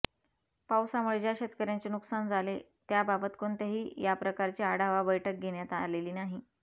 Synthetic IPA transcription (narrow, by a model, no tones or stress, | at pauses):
pawsaməɭd͡ʑjaɕet̪kəɾjat͡ɕenuksand͡zʱale | t̪jababət̪koɳt̪eɦiːjapɾəkaɾt͡ɕiːaɽaʋabəjʈʰək̚ɡʱeɽjat̪a̰leliːnaɦi